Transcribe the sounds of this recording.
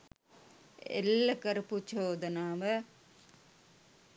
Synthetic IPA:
ḛlːɐkɐɾuput͡ʃoːd̪ɐnaːmɐ

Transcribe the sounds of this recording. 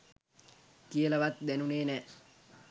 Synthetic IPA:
kijələʋat̪̚d̪ænuneːnæː

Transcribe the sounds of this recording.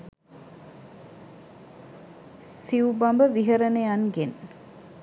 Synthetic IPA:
siubambəʋiɦəɾənejanɡen

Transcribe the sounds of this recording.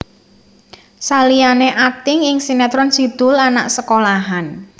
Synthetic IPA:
salianeʔat̪ɪŋɪŋsinɛt̪ɾɔnsid̪̥ʊ̤lanaʔsəkolaɦan

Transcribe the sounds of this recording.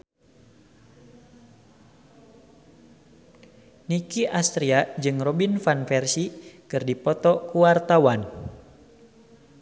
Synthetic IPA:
nikiʔast̪ɾiad͡ʒɨŋrɔbinfanfɛrsikɨrdipɔt̪ɔkuwart̪awan

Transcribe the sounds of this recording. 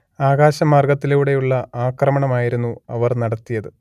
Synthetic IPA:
aːɣaːɕɐmaːrɡɐt̪ːilejuɽe̞juɭːɐaːkrɐmɐɳɐmaːjiɾunːuɐʋɐrnɐɽɐt̪ːijɐðɨ

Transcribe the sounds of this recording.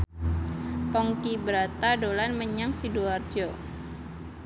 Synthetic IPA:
pɔŋkibəɾat̪adolanməɲaŋsiduard͡ʒɔ

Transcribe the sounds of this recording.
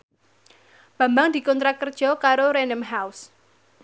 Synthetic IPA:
b̥ä̤mbaŋd̪i̤kɔnt̪ɾakərd̥ʒ̥ɔ̤kaɾoɾɛnəmɦaws

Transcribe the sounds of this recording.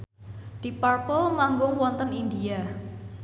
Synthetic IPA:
d̪̥i̤parpɔlmaŋɡʊŋwɔnt̪ənindia

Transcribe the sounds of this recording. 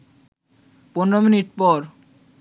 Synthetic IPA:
ponɾominiʈpɔɾ

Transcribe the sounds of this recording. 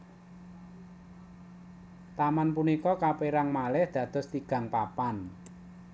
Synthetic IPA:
t̪amanpunikɔkapeɾaŋmalɛhd̪̥ä̤d̪̥ɔ̤st̪iɡ̥ä̤ŋpapan

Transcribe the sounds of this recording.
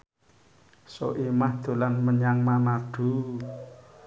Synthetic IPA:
so̰ʔimahd̪̥o̤lanməɲaŋmanaɖ̥ṳ

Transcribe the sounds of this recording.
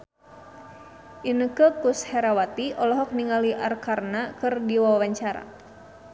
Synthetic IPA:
ʔinəkəkushɛɾawat̪iʔɔlɔɦɔk̚niŋaliʔarkarnakɨrdiwawaɲt͡ʃaɾa̰

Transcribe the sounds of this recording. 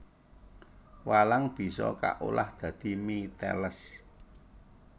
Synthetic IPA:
walaŋb̥i̤sɔ̰ka̰ʔulahd̪̥ä̤d̪̥i̤mit̪ɛ̰ləs

